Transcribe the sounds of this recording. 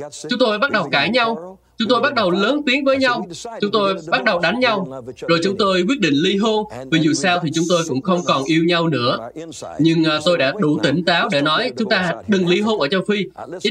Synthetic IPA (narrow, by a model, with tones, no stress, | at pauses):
t͡ɕʊ˨˦ŋ͡mt̪o˧jɓa˦˥t̚ɗə˨˩wkaː˧˩jɲa˧w | t͡ɕʊ˨˦ŋ͡mt̪o˧jɓa˦˥t̚ɗə˨˩wləː˨˦nt̪i˨˦ənvəː˨˦jɲa˧wt͡ɕʊ˨˦ŋ͡mt̪o˧jɓa˦˥t̚ɗə˨˩wɗa˨˦jŋ̟ɲa˧wzo˨˩jt͡ɕʊ˨˦ŋ͡mt̪o˧jk̬wi˦˥ət̚ɗḭ̈˧˨ŋ̟li˧ɦo˧vi˨˩zu˨˩saː˧wt̪ʰi˨˩t͡ɕʊ˨˦ŋ͡mt̪o˧jkʊ̰˧˥ŋ͡mxə˧wŋ͡mkɔ˨˩nʔi˧əwɲa˧wnɨ̰˧˥əɲɨ˧ŋː˨˩t̪o˧jɗa̰ː˧˥ɗu˧˩t̪ï˧˩ŋ̟t̪aː˨˦wɗe˧˩nɔ˨˦jt͡ɕʊ˨˦ŋ͡mt̪aː˧˨˩ɗɨ˨˩ŋli˧ɦo˧nʔəː˧˩t͡ɕaː˧wfi˧˦